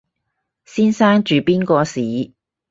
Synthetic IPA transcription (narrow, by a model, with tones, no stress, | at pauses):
siː˥nsaː˥ŋt͡ʃyː˨piː˥nkɔː˧siː˨˥